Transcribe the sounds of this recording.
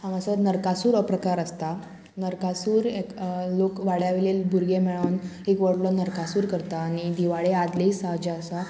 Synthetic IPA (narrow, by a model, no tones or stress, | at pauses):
ãmasənəɾkasuːɾəpɾəkaɾəst̪a | nəɾkasuːɾeklokʋaɽjaʋelelbʱuɾɡemɛɭanekʋəɽlɔnəɾkasuːɾkəɾt̪aːñid̪iʋaɭead̪leisaɦd͡ʑaəsa